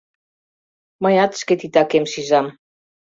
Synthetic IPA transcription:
majat̪sket̪it̪akemsizam

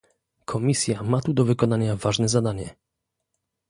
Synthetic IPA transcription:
kʰɔmʲisʲjamat̪ud̪ɔvɘkɔnaɲavaʐnɛzad̪aɲɛ

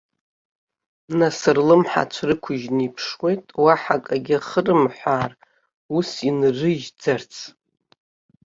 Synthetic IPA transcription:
nasɨrlɨmħa̰t͡ʃʷʰrɨkʷʰʊʒnipʰʂwe̞jtʼwaħakʼaɡʲɪaχərɨmħʷaːr | usinrɨʒd͡zart͡sʰ

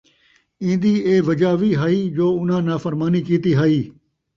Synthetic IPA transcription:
ĩːnd̪iːeːʋɐd͡ʒaːʋiːɦaːiːd͡ʒoːʊn̤ãːnaːfəɾmaːniːkiːt̪iːɦaːiː

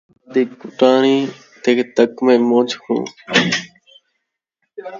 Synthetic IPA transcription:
d̪iːkʊʈaːɳiː | t̪eːkt̪əkmẽːmoːd͡ʒkʰṵ̃ː

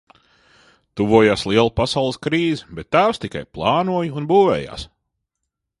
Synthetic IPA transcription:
t̪uvuɔjaːslˠiɛlˠupasawlˠəskɾiːzibɛt̪ːaːwst̪ika̰jplˠɑːnuɔjuunbuːvɛ̰ːja̰ːs

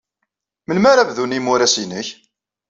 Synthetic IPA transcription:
mənmaɾævðunimuɾæsinəç

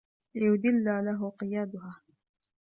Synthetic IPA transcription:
lɪjʊd̪ɪlːaːlaɦʊqɨjaːd̪ʊɦaː

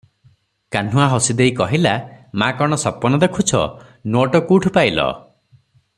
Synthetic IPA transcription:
kan̤uaɦɔsid̪ejkɔɦilamakɔɽ̃ɔsɔpɔnɔd̪ekʰut͡ʃʰɔ̰ | noʈɔkuʈʰpajlɔ̰

